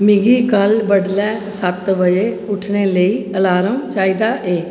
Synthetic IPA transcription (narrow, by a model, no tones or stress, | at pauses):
mɪɡiːkəlbəɖlɛːsət̪ʋəd͡ʒeː | ʊʈʰneːləiːəlaːɾəmt͡ʃaːiːd̪aːʔeː